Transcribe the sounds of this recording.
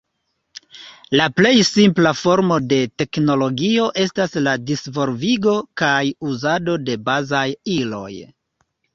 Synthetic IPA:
laple̞jsimplafo̞ɾmo̞de̞te̞kno̞lo̞ɡio̞ʔe̞stasladisvo̞lviɡo̞kajuzado̞de̞bazajilo̞̰j

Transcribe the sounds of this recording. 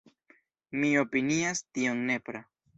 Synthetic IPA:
mio̞piniastio̞nːe̞pɾa

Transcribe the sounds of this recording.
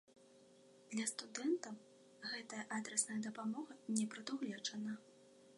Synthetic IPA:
d̪̥lʲɐst̪ud̪ɛnt̪ɐw | ɣɛt̪ɐjɐʔad̪ɾɛsnɐjɐd̪ɐpamɔɣɐnʲɛpɾɐd̪uɣlʲɛt͡ʂɐnɐ

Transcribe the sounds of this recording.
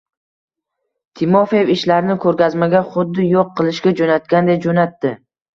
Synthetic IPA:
t̪ʰɪmɒfevɪʃlaɾɪnɪkʰɵɾkʲazmaɡʲaχʊd̪ːɪjoqʰːɨlˠɪʃɡʲad͡ʒonat̪̚kʲand̪ed͡ʒonat̪ːɪ

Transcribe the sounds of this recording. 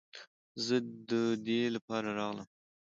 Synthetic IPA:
zəd̪əd̪elapɑɾaɾɑɣlə̰m

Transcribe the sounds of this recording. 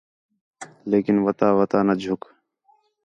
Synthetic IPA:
leːkɪnʋət̪aːʋət̪aːnəd͡ʒʱʊk

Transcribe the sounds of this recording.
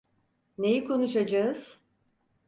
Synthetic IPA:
nejikʰo̞nuʃad͡ʒaɯz̥

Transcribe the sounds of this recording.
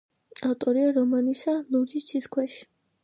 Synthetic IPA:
aft̪ʼɔɾiaɾɔmanisaluɾd͡ʒit͡ʃʰiskʰwɛʃi̥

